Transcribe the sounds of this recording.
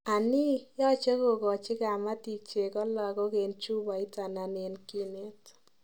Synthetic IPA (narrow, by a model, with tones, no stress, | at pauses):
a˨ni˦jɔ˦t͡ʃe˦ko˨kɔ˨t͡ʃɪ˦ka˨ma˦ti˨k̚t͡ʃe˨kɔ˦lɔ˨kɔ˦ke˨nt͡ʃu˦ba˨ɪ˦ta˨na˨ne˨nki˦ne˦t